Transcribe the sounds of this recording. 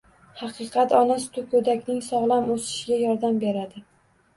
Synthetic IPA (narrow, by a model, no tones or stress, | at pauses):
hɑqʰɨqʰɑt̪ɒnast̪ʰʊkʰɵd̪akʲnɪŋsɒʁlˠamosɪ̥ʃɪɡʲajɒɾd̪ambe̞ɾad̪ɪ